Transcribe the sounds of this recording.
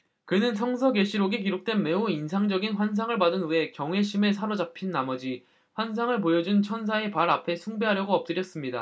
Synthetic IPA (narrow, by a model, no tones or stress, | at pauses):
kɯnɯnsʰʌŋsʰʌɡeɕʰiɾoɡikiɾok̚t͈we̞nme̞uinsʰaŋd͡ʑʌɡinɸwans̬ʰaŋɯɭpadɯnɯe̞kjʌŋwe̞ɕʰime̞sʰaɾod͡ʑapʰinːamʌd͡ʑi | ɸwans̬ʰaŋɯɭpojʌd͡ʑunt͡ɕʰʌnsʰae̞paɾapʰe̞sʰuŋbe̞ɦaɾjʌɡoʌp̚t͈ɯɾjʌs͈ɯmɲida̰